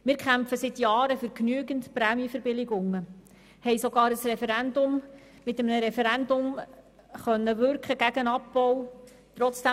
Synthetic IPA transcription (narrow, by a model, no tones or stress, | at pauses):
mɪːɾkχæmpfəsɪt̪jɑːɾəfyːɾknyəɡəntpɾæːmjəfəɾbɪlɪɡʊŋːə | hɛɪsoɡɑːɾəsrɛfɛɾændʊm | mɪtəmnəɾɛfɛɾændʊm | χœnːəʋʏɾkχəɡ̥æɡənɑpbɔw | t̪ɾɔt͡sd̥æ